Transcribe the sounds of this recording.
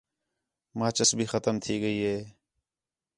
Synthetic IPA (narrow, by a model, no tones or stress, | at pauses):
mãːt͡ʃəsbʱiːxət̪əmt̪ʰiːɡəiːɦeː